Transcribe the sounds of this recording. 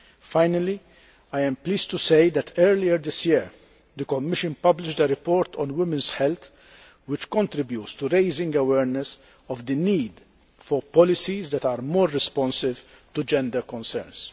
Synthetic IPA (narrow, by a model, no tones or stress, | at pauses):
fajnɐli | ajɛ̃mpliːst̪useɪd̪ɛt̪ʰɛɾliəɾd̪ɪsjɪɾ | d̪əkɔmːɪʃɨ̃npɐblɪʃd̪əɾɪpɔːɾt̪ʰɔ̰̃nwɪmɪ̃nsħɛlt̪ | wɪt͡ʃkɔ̃nt̪ɾɪbjuːtst̪uɾeɪzɪ̃ŋɡɐwɛːɾnɛs | ɔvd̪əniːd̪ | fɔɾpɔlɪsizd̪ɛt̪aːɾmɔːɾːɛspɔ̃nsɪvt̪ud͡ʒɛ̃nd̪əɾkɔ̃nsɛ̰ɾns